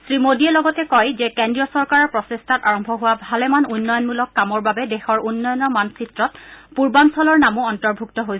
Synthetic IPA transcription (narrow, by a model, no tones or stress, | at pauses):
sɹimodiɛlɔɡɔtɛkɔjzɛkendɹijɔsɔɹkaɹɔɹpɹɔsestʰataɹɔmbʱɔɦʊwabʱalɛmanunːɔjɔnmulɔkːamɔɹbabɛdexɔɹunːɔjɔnːɔmansitɹɔt̚puɹbansɔlɔɹnamuɔntɔɹbʱuk̚tɔɦoj